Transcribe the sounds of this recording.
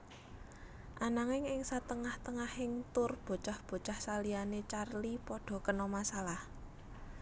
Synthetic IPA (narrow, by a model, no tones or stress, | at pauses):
ʔanaŋɪŋɪŋsat̪əŋaht̪əŋahɪŋt̪ʊrb̥o̤t͡ʃahb̥o̤t͡ʃahsalianet͡ʃarlipɔɖ̥ɔ̤kənɔmasalah